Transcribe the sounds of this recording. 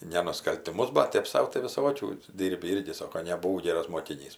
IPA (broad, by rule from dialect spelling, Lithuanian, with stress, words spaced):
nʲɛ nʊskɐlʲtʲɪˈmʊs bɐt ˈtʲeːp sɐʊ tɐɪ ʋʲɪˈsoːkʲuː ˈdʲiːrʲbʲɪ ˈɪrʲɡʲɪ ˈsoːkoː nʲɛbʊˈʋɐʊ ˈɡʲeːrɐs moːkʲɪˈnʲiːs